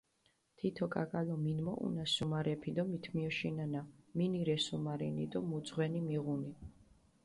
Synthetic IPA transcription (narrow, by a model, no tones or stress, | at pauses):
t̪ʰit̪ʰɔkʼa̰kʼalɔminmɔʔṵnasumaɾɛpʰid̪ɔmit̪ʰmiɔʃinanaminiɾɛsumaɾḭnid̪ɔmud̪zʁwɛnimiʁuni